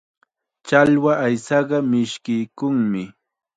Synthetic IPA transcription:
t͡ʃalwaʔajsɑɢɑmɪʃkɪjkʊŋmɪ

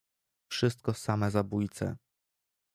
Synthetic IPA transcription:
fʂɘst̪̚kɔsamɛzabujt̪sɛ̰

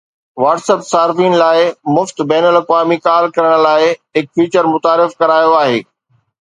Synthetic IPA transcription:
ʋaːʈseːpsaːɾfiːnlaːɪmʊft̪bɛːnəlɐkʋaːmikaːlkɐɾəɽ̃̆laːɪɦɪk̚fiːt͡ɕəɾmʊt̪aːɾɪfkɐɾaːjoaːɦeː

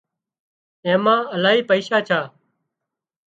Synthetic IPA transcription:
ẽːmãːəlaːɦiːpəiːʃaːt͡ʃʰaː

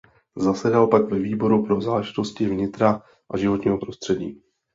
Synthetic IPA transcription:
zasɛdalpaɡvɛviːbo̞ɾupɾo̞zaːlɛʒɪt̪o̞scɪvɲɪt̪ɾa | ʔaʒɪvo̞t̪ɲiːɦo̞pɾo̞st̪r̥ɛɟḭː

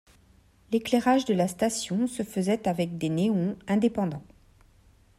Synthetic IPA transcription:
leklɛʁaʒd̪əlast̪asjɔ̃səfəzɛt̪avɛk̚d̪eneɔ̃ɛ̃d̪epɑ̃d̪ɑ̃

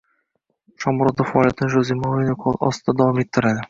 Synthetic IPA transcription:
ʃɒmɾɒafaːlˠijat̪ʰɪnɪʒozimoejnɪkʰɒlˠɒ̰st̪ɪd̪ad̪avɒmet̪ʰːɪɾad̪ɪ

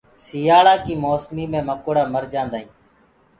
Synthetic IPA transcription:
sɪjaːɭaːkiːmoːsmiːmẽːməkoːɽaːməɾd͡ʒãːnd̪aːĩː

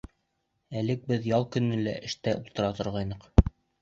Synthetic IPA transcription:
ælɘk̚bɘðjɑlˠkɵ̆nːɘlæ̰ʔɘ̆ʃt̪æʔulˠt̪ɤ̆ɾɑt̪ŏɾʁɑjnɤq

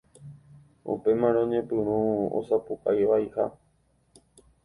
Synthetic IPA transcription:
ṵpe̞mãɾõɲẽ̞pɨ̃ɾ̃ũo̰sapuʔajʋaiha

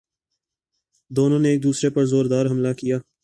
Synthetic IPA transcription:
d̪oːnõneːk̚d̪uːsɾepɐɾzoːɾd̪aːɾɦɐmlakijaː

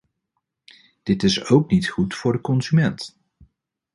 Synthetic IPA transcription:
d̥ɪtɪsowknitχutfʊːɹdəkɔnzymɛnt

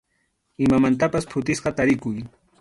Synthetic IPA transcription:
ɪmamant̪apaspʰʊt̪ɪsqɑt̪aɾɪkʊj

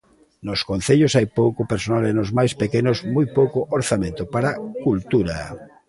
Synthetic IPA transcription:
noskon̟θeʎosajpowkopeɾsonalenozmajspekenozmojpowkoʔoɾθamẽnt̪opaɾakult̪uɾa̰

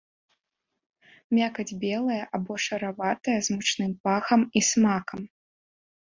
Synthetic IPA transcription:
mʲakɐd͡zʲbʲɛlˠɐjɐʔabɔʂɐɾavat̪ɐjɐzmut͡ʂnɨmpaxɐmismakɐm

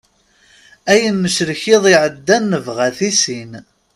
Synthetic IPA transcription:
æjənːəʃɾəçɪðˤiʕəd̪ːænːəvʁæθisin

